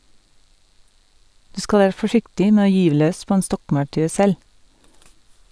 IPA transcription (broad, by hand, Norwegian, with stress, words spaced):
ˈdʉː ˈskɑl ˈæːɾ fɔˈʃɪktɪ ˈmeː ˈoː ˈjyːʋ ˈløːs ˈpoː ˈeːn ˈstɔkmɑʉˌʈʉː ˈsɛl